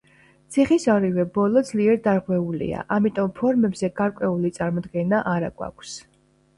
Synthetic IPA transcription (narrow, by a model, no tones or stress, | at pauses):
t̪sʰiχisaɾivɛbɔlˠɔd̪zliɛɾd̪aɾʁwɛulḭa̰ʔamit̪ʼɔmpʰɔɾmɛbzɛɡaɾkʷʼwɛulit̪sʼaɾmɔd̪ɡɛnaʔaɾaɡwa̰kʷʰs